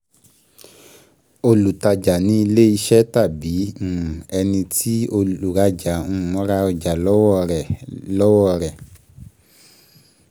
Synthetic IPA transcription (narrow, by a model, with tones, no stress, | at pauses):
o˧lu˨ta˧d͡ʒa˨nĩ˦i˧le˦i˧ʃɛ˦ta˦˨bĩ˨˦˨ɛ˧nĩ˧ti˦o˧u˨ɾa˧d͡ʒa˨ũ˦˨˦ɾa˧ɔ˧d͡ʒa˨lɔ˦˨lɔ˦wɔ˦˨ɾɛ˨